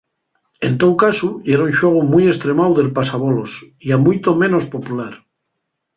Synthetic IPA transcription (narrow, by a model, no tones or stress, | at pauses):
e̞nt̪owkasueɾaunʲʃwe̞ɣ̞omuje̞st̪ɾe̞mawðe̞lpasaβolosiamujt̪omẽ̞no̞spo̞pulaɾ